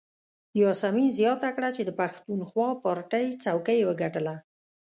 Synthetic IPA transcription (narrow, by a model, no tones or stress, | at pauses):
jɑsamizjɑt̪akɽat͡ʃed̪əpaxt̪unxwɑpɑɾʈəjt͡sawkəjwəɡaʈəla